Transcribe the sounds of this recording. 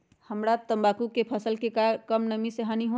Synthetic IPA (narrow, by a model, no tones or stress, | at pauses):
həmɾat̪əmbakukepʰəsəlkekakəmnəmiseɦaniɦõ